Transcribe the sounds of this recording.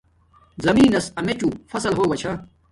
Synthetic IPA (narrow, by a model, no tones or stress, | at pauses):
zɐmiːnɐsɐmet͡ɕufɐsɐlɦoːɡɐt͡ɕʰɐ